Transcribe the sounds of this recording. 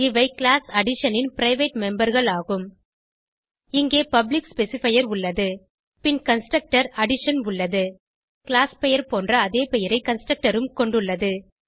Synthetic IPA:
ɪʋɐɪkɭaːsɐɽɪʂɐnɪnpɪɾɐɪʋeʈmɛmbɐɾɣɐɭaːɣɯm | ɪŋɡeːpɐblɪkspɛsɪfɐjɐɾʊɭːɐðɯ | pɪnkɐnsʈɾɐk̚ʈɐɾɐɽɪʂɐnʊɭːɐðɯ | kɪɭaːspɛjɐɾpoːndrɐːðeːpɛjɐɾɐɪkɐnsʈɾɐk̚ʈɐɾɯmkɔɳɖɯɭːɐðɯ

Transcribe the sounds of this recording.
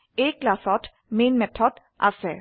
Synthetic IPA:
eːklasɔt̪ | meːnmɛt̪ʰɔd̪̥ | ʔa̰sɛ

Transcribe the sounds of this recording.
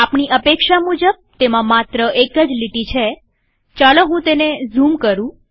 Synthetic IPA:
apɳiʔəpekʃamud͡ʒəb̚t̪emãmat̪ɾəʔekəd͡ʒliʈit͡ʃʰe | t͡ʃaloɦũt̪enezumkəɾũ

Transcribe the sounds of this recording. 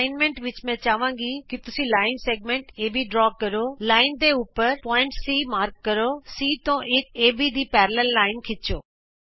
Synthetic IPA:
ɪnmẽɳʈʋɪt͡ɕmɛ̃t͡ɕaːʋãːŋɡikit̪ʊsĩlaːɪnseːɡ̚mẽːɳʈeːbiɖɾɔːkɐɾolaːɪnd̪eʊpəɾpɔːɪ̃ɳʈsiːmaːɾkːɐɾosiːt̪õʔɪkeːbʱid̪iːpɛːɾləlːaːɪnkʰɪt͡ɕoː

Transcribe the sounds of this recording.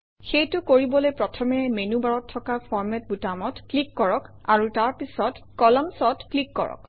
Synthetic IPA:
xejtʊkoɹibɔlojpɹɔtʰɔmɛmenubaɹɔtʰːɔkapʰɔɹmɛt̚butamɔtklikːɔɹɔkaɹutaɹpisɔtkɔlɔmsɔtklikːɔɹɔ̰k

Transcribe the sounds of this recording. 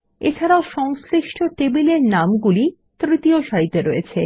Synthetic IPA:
et͡ɕʰaɾaoʃɔŋsɾiʃʈʰoʈebileɾnamɡuli | t̪ɾit̪ioʃaɦit̪ːeɾɔet͡ɕʰe

